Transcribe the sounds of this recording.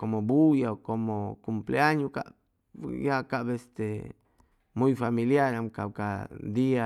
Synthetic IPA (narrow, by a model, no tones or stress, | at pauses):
komobujaokomokumpleaɲuka̰ʔ | jakabɛst̪e | muifamiliaɾamkauka̰d̪ia